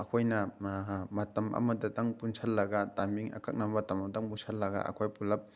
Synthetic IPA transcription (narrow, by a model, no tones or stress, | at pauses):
ɐkʰojnɐ | matɐmʔɐ̰mɐdataŋpunsʰalːɐɡatamiŋʔɐ̰kak̚nammatɐmataŋpusʰɐlːɐɡa̰ʔɐ̰kʰojpulɐp̚